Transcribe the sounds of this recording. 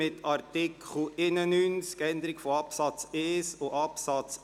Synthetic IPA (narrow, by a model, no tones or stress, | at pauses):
ɪtʰɑɾtɪkχl̩ɪnənyːnskɛnd̪əɾɪɡfoɑpsɑt͡seːsʊʔɑpsɑt͡s